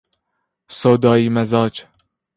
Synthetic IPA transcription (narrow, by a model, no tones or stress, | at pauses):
soːd̪ɒːiːmæzɒːd͡ʒ